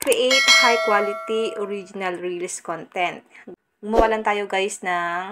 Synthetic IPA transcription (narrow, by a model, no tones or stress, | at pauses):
kɾiʔejt̪hajkwaːlɪt̪iʔɔɾid͡ʒɪnɐlɹilskɔnt̪ɛnt̪̚ | ɡmɐwɐlɐnt̪aːjoɡajsnɐŋ